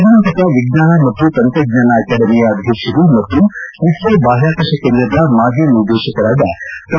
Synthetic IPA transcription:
d̪ʱɐnɐnt̪ɐkɐʋiɡnaːnɐmɐt̪ːut̪ɐnt̪ɾɐɡ̚naːnɐɐkaɽɐmijɐːd̪ʱjɐkʂɐɾumɐt̪ːunisʋɐbaːɦaːkɐʂɐkɐnːɐd̪ɐmaːɡ̪ʱjɐnuɾd̪eːʃɐkɐɾaːd̪ɐt̪

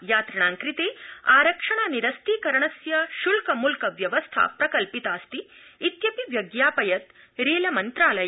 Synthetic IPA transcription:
jaːt̪ɾɐɳ̃aːŋkɾit̪eːaːɾɐkʂɐɳ̃aːniɾɐst̪iːkɐɾɐɳ̃ɐsjɐʃulkɐmulkɐʋjɐʋɐst̪ʰa̰pɾɐkɐlpit̪aːst̪iːt̪jɐpiʋjɐɡjaːpɐjɐt̪ | ɾeːlɐmɐnt̪ɾaːlɐj

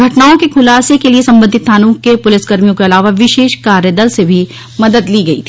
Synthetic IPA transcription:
ɡʱɐʈnaːõkekʰʊlaːsekeliesɐ̃mbə̃nd̪ʱɪt̪ʰːaːnuːkepʊlɪsɡɐɾmijõkeɐlaːʋaʋɪʃeːʃkaːɾjəd̪əlsebʱi | mɐd̪əd̪liːɡɐit̪ʰi̥ː

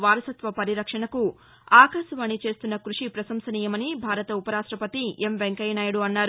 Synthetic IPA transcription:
ʋaːɾɐsɐt̪ʋɐpɐɾiɾɐkʂɐɳɐku | aːkɐsɐʋaːɳit͡ʃe̞ːst̪unːɐkɾuʂipɾɐsɐmsɐniːjɐmɐnibʱaːɾɐt̪ɐupɐɾaːʂʈɾɐpɐt̪iemʋeŋkɐjnaːjɽuɐnːaːɾu

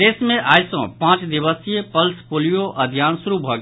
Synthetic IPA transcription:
eːsmẽʔaːjsõ̰pãːt͡ʃd̪ɪʋəsijepəlspoːlijoʔəd̪ʱjaːnsʊɾubʱəɡ

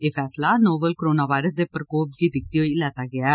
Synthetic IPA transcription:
eːpʰɛːslaːnoːbəlkːɾoːnaːʋaːɪɾəs̬d̪eːpɾkoːp̚ɡiːd̪ɪkʰt̪iːɦoːiːlɛːt̪aːɡɪaː

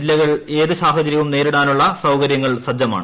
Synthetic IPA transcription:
ilːɐɣɐɭe̞ːðɨɕaːsɐd͡ʑɐɾjɐʋumne̞ːɾuɽaːnuɭːɐsɐwkɐɾjɐŋːɐɭsɐd͡ʑɐma̰ːɳ

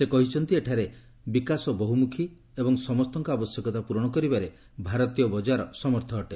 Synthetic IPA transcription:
sekɔɦit͡ʃʰɔnt̪ieʈʰaɾe | bikasɔbɔɦumukʰi | ebɔŋsɔmɔst̪ɔŋkɔabɔsjɔkɔt̪apuɾɔɽ̃ɔkɔɾibaɾe | bʱaɾɔt̪ijɔbɔd͡ʒaɾɔsɔmɔɾt̪ʰɔːʈe

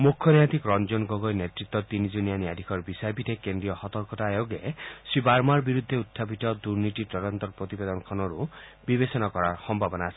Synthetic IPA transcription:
mukʰːɔnad̪ʱikɾɔnd͡ʒɔnɡɔɡɔjnet̪ɾit̪ːɔt̪inid͡ʒunijaniad̪ʱikʰɔɾbisajbit̪ʰekend̪ɾijɔhɔt̪ɔɾkɔtaːjoɡesibaɾmaɾbiɾud̪ʱːeut̪ʰːapitɔd̪uɾnit̪iʈɔɾɔnt̪ɔɾpɾɔt̪ibed̪ɔnɔkʰɔnɔɾubibesɔnakɔɾaɾxɔmbʱabɔnaːsi̥

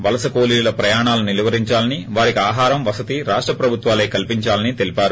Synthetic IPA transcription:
ʋɐlɐsɐkoːliːlɐpɾɐjaːɳaːlunilʋɐɾiɲt͡ʃaːlɐniʋaːɾikiaːɦaːɾɐmʋɐsɐt̪iɾaːʂʈɾɐpɾɐbʱut̪ʋaːleːkɐlpiɲt͡ʃaːlɐnit̪elipaːɾu

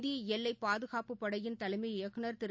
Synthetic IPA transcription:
ðiɛlːɐɪpaːðɯɣaːpɯpːɐɽɐjɪnt̪ɐlɐɪmɐɪjɐkːɯnɐɾt̪ɪɾ

